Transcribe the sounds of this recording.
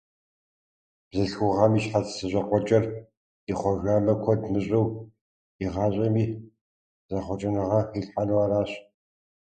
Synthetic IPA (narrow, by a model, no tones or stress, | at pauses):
b̥zɨɬxʷʊʁɐmiːɕħatsɨʑʷʼɐqʷɔt͡ʃʼɐr | iχʷɔʒʷaːmɐkʷʰɔdmɨɕʼɐw | iʁɑːɕʼɐmiː | zɐχʷɔt͡ʃʼɪnɨʁɐiɬħanɨwaːɾaːɕ